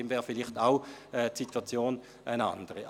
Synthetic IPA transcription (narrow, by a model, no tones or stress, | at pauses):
eːmvɛːʁfɪlɪχtaʊɛtsitʰwat͡sjoːn | ʔaɪna̰ndəʁə